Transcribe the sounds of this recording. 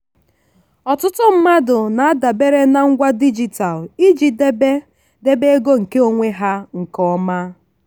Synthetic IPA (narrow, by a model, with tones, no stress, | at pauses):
ɔ˨tʊ˦tʊ˦m̩˦ma˦dʊ˨na˨a˦da˨be˦ɾe˦na˦ŋ̩˦ɡʷa˦di˦d͡ʒi˨ta˨li˦d͡ʒi˨de˦be˦ | de˦be˦e˦ɡo˦ŋ̩˨ke˦o˨ŋʷe˦ɦa˦ŋ̩˨kɔ˦ma˦